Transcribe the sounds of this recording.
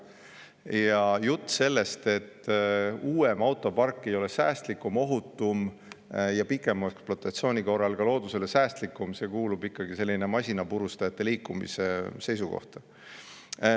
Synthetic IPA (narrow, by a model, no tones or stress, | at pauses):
jɑjut̪ˑːse̞lːe̞st̪e̞t̪ː | uːemɑwt̪ːˑo̞pɑrkːe̞jo̞le̞sæːst̪likːˑumo̞ɦut̪ˑːum | jɑpikːˑe̞mɑeksplot̪ːˑɑt̪sio̞ːnʲiko̞rɑlɡɑlo̞ːd̪use̞lesæːst̪likːˑumse̞ːkuːlubikːɑɡise̞lʲːinemɑsʲinɑpuɾust̪ɑjɑt̪ːe̞liːkːumḭse̞se̞jsuko̞̰ht̪ɑ̥